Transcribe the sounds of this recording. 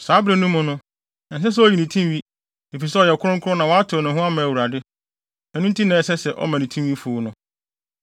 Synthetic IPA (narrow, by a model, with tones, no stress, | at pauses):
saː˨˦bɾe˨nũ˦mʊ̃˨nʊ̃˦ | ɛ˨ns̬ɛ˦s̬ɛ˦ɔ˦˨ji˨nĩ˨tʰĩ˦mwi˦ | e˨fi˨sɛ˦ɔ˨jɛ˨kʰʊ˦ɾʊ̃˦ŋ̩˦kʰʊ˦ɾʊ˦nã˨wɔ˦a˦tʰɪ˨ɔ˨nʊ̃˨ɦʊ̃˦a˦mã˨æ˨wu˨ɾa˨dɪ˦ | ɛ̃˨nʊ̃˦n̩˦tʰi˦nã˨sɛ˦sɛ˨ʔɔ̰˦mã˨nĩ˨tʰĩ˦wi˦fʊ˨˦nʊ̃˦